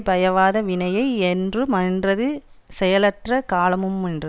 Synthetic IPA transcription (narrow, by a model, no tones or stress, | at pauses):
bɐjɐʋaːðɐʋɪnɐjɐɪɛndrɯmɐndrɐðɯ | sɛjɐlɐʈrɐkaːlɐmɯmɛndrɐ